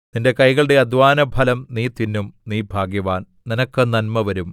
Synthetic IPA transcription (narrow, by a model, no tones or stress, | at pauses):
ninde̞kɐjɣɐɭɨɽe̞ɐd̪ʱʋaːnɐbʱɐlɐmniːt̪inːumniːbʱaːɡjɐʋaːn | ninɐkːɨnɐnmɐʋɐɾum